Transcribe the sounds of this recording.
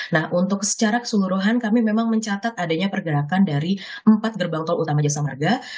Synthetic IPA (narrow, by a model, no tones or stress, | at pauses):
nahʔunt̪ʊksə̥t͡ʃaɾakə̥səluɾuɦankamimemaŋməɲt͡ʃat̪at̪adaɲapərɡəɾakandaɾi | əmpat̪̚ɡərbaŋt̪ɔlut̪amad͡ʒasamarɡa